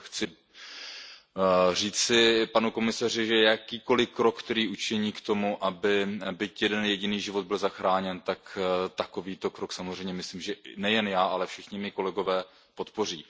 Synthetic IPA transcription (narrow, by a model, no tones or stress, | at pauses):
xt͡sɪ | r̝iːt͡sɪpanuko̞mɪsar̝ɪʒɛjakiːko̞lɪkɾokkt̪ɛɾiːʔut͡ʃɪɲiːkt̪o̞muʔabɪbɪcjɛdɛnjɛɟɪniːʒɪvo̞d̪̚bɪlzaxɾaːɲɛnt̪akt̪ako̞viːt̪o̞kɾoksamozr̝ɛjmɲɛmɪsliːmʒɛʔnɛjɛnjaːʔalɛfʃɪxɲɪmɪko̞lɛɡo̞vɛː | po̞t̪po̞r̝iː